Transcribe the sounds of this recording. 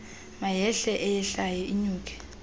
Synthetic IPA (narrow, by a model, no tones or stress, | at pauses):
majɛɬɛʔɛjɛɬajɔʔiɲuːk̬ʰʼɛ̥